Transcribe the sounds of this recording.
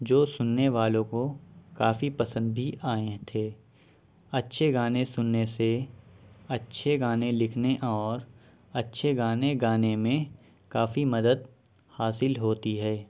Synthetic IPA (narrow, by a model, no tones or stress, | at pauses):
d͡ʒoːsʊnːeʋaːlõkokaːfipɐsə̃nd̪̚bʱiʔaːẽt̪ʰeː | ɐtːʃʰeɡaːnẽsʊnːese | ɐtːʃʰeɡaːnẽlɪkʰneʔɔːɾ | ɐtːʃʰeɡaːneɡaːnemẽ | kaːfimɐd̪əd̪̚ | haːsɪlɦoːt̪iɦɛː